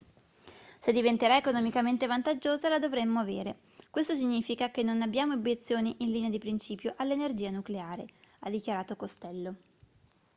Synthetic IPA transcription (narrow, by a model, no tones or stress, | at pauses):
sed̪ːivent̪eɾaekonɔmikament̪evant̪ad͡ʒːoːzalad̪ovɾemːoaveːɾe | kwest̪osiɲːiːfikakenːonabːjaːmoobjet̪sːjoːniʔinliːnead̪ipɾint͡ʃiːpjoʔalːenerd͡ʒiːanukleaːɾead̪ːikjaɾaːt̪okost̪ɛlːo